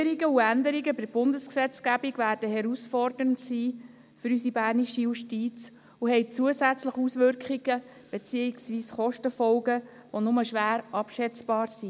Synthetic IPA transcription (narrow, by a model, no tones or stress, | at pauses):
əɾiɡəuændəɾiɡəbɪb̥ʊndəsksɛt͡skæbiɡʋæːrd̥əɦɛɾusfɔrdəəntsiː | fʏɾysibæːrniʃijuʃtit͡s | uhɛɪt͡suəzæt͡sləχusʋʏrkχiɡ̥ə | b̥et͡siːiksʋiːsχɔʃtəfɔlɡə | ʋonʊməʃʋæːɾɑpʃɛt͡sb̥ɑːɾsi